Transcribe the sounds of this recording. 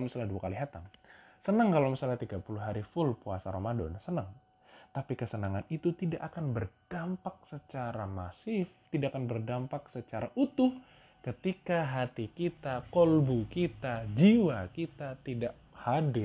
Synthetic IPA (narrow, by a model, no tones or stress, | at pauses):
misalahduakaliɦat̪am | sənəŋkalawmisalaht̪iɡapuluɦaɾifʊlpuasaɾomadɔ̰nsənəŋ | t̪apikəsənaŋanit̪ut̪idaʔakanbərd̥ampak̚sət͡ʃaɾamasɪft̪idaʔakanbərdampak̚sət͡ʃaɾaʔut̪ʊh | kət̪ikaɦat̪ikit̪akɔlbukit̪ad͡ʒiwakit̪at̪idaʔ | hadɪ